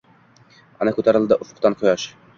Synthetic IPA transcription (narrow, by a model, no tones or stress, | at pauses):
ɒ̰nɤkʉt̪æɾɘ̆lˠd̪ɤʔofŏ̥qt̪ɑnqojɑʃ